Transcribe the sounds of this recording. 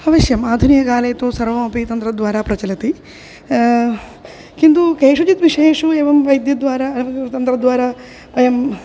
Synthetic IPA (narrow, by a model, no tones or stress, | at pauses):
ɐʋɐʃjɐmaːd̪ʱunijɐɡaːlɐːt̪oːsɐɾʋɐmɐpit̪ɐnt̪ɾɐd̪ʋaːɾaːpɾɐt͡ʃɐlɐt̪i | kind̪ukeːʂud͡ʒit̪ʋiʂeːʂueːʋɐmʋɐjd̪jɐd̪ʋaːɾaɐt̪ɐnt̪ɾɐd̪ʋaːɾaː | ʋɐjɐm